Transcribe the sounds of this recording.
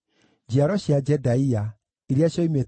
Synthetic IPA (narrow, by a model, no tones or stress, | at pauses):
d͡ʑiaɾɔɕad͡ʒɛdaia | eɾeaɕɔimet